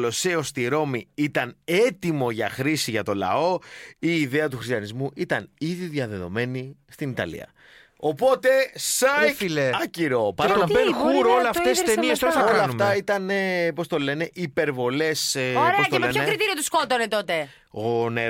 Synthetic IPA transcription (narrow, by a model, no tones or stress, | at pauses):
loseost̪iɾo̞miit̪ɐne̞t̪imo̞ʝɐxɾisiʝɐt̪o̞lɐ̰o̞iːðeɐt̪̬uxɾist̪jɐnizmuʔit̪ɐniðiðʝɐðe̞ðo̞me̞nist̪init̪ɐ̰lḭɐ̰ | o̞po̞t̪e̞sɐfleɐciɾo̞pɐenxuɾolɐtest̪eniest̪oolɐɐnft̪ɐit̪ɐnepo̞st̪o̞le̞ne̞ʔipe̞ɾvo̞le̞sɾeosɐt̪loenekɾit̪iɾiot̪uskot̪onet̪o̞t̪e̞ | ɣone